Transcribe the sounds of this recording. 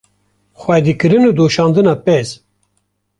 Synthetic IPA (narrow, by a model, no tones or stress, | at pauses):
xwɛd̪ikɨɾɨnud̪oːʃɑːnd̪ɨnɑːpɛz